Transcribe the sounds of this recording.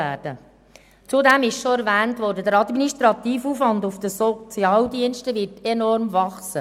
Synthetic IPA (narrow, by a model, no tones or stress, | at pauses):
æːɾd̥ə | t͡sudɛmɪʃʃoæɾvæːntʋɔɾdədəɾɑdminiʃtɾɑt̪iːfuːfvɑndufd̥̪əsɔt͡sjɑːldiənʃtəʋɪɾtenɔɾmvɑχsə